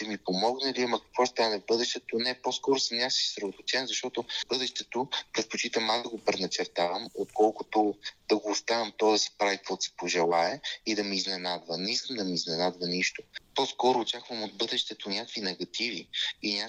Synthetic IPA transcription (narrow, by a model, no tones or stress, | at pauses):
t̪ɛmipomɔɡnɐliɐmɐkɐ̥kv̥ɔst̪anɛvbɤd̪ɛʃt̪ɛt̪onɛposkɔɾʊsəmnʲasi̥sɾot̪ot͡ʃ̪ɛnzɐʃt̪ɔt̪obɤd̪ɛʃt̪ɛt̪opɾɛt̪̚pot͡ʃit̪əmazd̪ɐɡopɾɛnɐt͡ʃɛɾt̪avəmot̪̚kʰɔlˠkot̪od̪̥ɐɡoːst̪avɐmt̪ɔd̪ɐspɾavikk̪vɔt̪sɛ̥poʒɛlˠaɛid̪ɐmiiznɛnad̪vɐnɛiskəmd̪ɐmiiznɛnad̪vəniʃt̪opɔskɔɾʊːt͡ʃakvəmod̪̚bɤd̪ɛʃt̪ɛt̪onʲakəkvinɛɡɐt̪iviinʲa